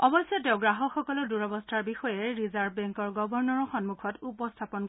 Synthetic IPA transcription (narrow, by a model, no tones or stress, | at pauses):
ɔbɔsjɔtɛʊ̃ɡɹaɦɔxɔkɔlɔduɹɔbɔstʰaɹbixɔjɛɹizaɹbbɛŋkɔɹɡɔbɔɹnɔɹɔxɔnmukʰɔtupɔstʰapɔnk